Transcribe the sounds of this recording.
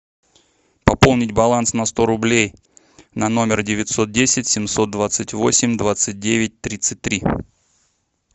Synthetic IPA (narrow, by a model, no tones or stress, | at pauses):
pɐpo̞lˠnʲɪtʲbɐlˠansnɐst̪o̞ɾʊblʲej | nɐno̞mʲɪrdʲɪvʲɪt̪ʲso̞t̪̚dʲesʲɪtʲsʲɪmso̞t̪̚d̪vat̪sɨtʲvo̞sʲɪmʲd̪vat̪sɨt̚ʲdʲevʲɪt̚ʲt̪ɾʲit̪sɨt̚ʲt̪ɾʲi